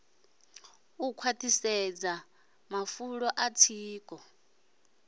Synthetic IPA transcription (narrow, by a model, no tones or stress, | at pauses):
ukʰwatʰʼisɛd͡za | mafuɺɔʔat͡sʰiːkʼɔ